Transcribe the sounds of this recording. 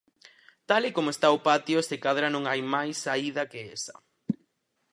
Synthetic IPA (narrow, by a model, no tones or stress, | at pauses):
t̪alɪkomoest̪aopat̪joseɪkaðɾanõŋajmajsːaið̞ɐkeesɐ̥̰